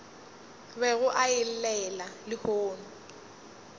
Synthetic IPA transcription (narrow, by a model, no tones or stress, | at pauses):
bɛɣʊʔaɪl̩lɛlalɪhoːnʊ